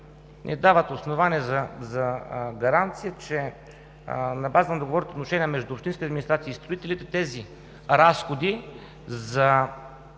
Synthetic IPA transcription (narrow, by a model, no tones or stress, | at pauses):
nʔɛ̰d̪avət̪osnovaniɛzɐzɐɡɐɾant̪sijət͡ʃɛ | nɐbazənɐd̪oɡovɔɾit̪ot̪noʃɛnʲiəmɛʒd̪uopʃt̪inskiɐd̪minist̪ɾat̪siːst̪ɾoit̪ɛlit̪ɛt̪ɛzi | ɾasxod̪i | zɐ